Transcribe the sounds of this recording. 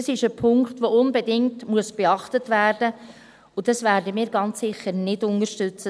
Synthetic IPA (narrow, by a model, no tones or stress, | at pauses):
əsɪʃəpʰʊŋktʋoʊnbedɪŋtmuəsb̥eɑχtətvæːrdə | ʊd̥ɑsvæːɾdəmiːɾɡɑnt͡sːɪχːəɾnɪdʊnəɾʃtʏt͡sə